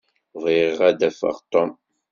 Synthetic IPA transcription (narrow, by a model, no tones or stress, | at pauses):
ðˤiʁæd̪æfə̰ʁt̪ˤɔm